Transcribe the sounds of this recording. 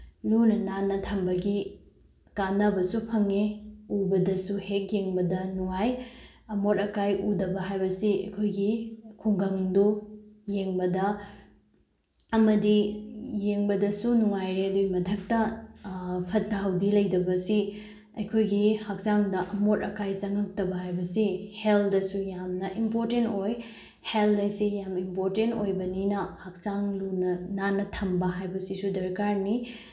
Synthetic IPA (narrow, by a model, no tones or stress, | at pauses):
lunɐnanɐtʰɐmbɐɡi | kanɐbɐsupʰɐŋeubɐdɐsuhek̚jeŋbɐdɐnuŋaj | ɐmoɾɐkajʔudɐbɐɦajbɐsiɐ̰jkʰojɡikʰuŋɡɐŋdujeŋbɐdɐ | ɐmɐdijeŋbɐdɐsunuŋajɾeɐduɡimɐtʰɐk̚tɐ | pʰɐt̚daɦɐwdilɐjdɐbɐsi | ɐjkʰojɡihak̚t͡ʃaŋdɐʔɐmoɾɐkajt͡ʃɐŋɐk̚tɐbɐɦajbɐsiheldɐsujamnɐʔimpoɾtentoj | heldɐjsijamimpoɾtentojbɐninɐhak̚t͡ʃaŋlunɐnanːɐtʰɐmbɐɦajbɐsisudɐɾkaɾni